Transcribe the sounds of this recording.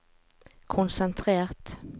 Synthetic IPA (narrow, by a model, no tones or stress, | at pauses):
kʰʊnsɛnt̪ʰʁeːʁt̪